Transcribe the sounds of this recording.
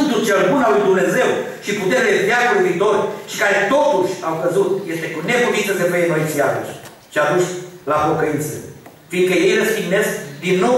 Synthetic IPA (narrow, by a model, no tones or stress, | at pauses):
nd̪ult͡ʃelbunalujd̪umne̞ze̞w | ʃiput̪eɾlet̪jaklujviːt̪o̞rʃi̥kaɾe̞t̪o̞t̪uʃʲawvəzut̪je̞st̪e̞kune̞kunint̪əsevəjenoj̪siat̪uʃʲ | ʃiad̪uʃlapo̞kəint̪sə̰ | fiŋkəje̞jrəst̪iɡne̞skd̪inːo̞w